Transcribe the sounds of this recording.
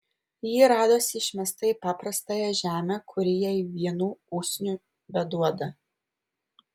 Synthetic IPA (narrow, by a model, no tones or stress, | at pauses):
jiːɾɑːd̪oːsʲɪʃʲmʲɛst̪ɐipɑːpɾɐst̪ɑːjɛʒʲæːmʲækʰʊɾʲɪjɛiʋʲiɛnuːuːksʲnʲuː | bʲɛd̪uɔd̪ɐ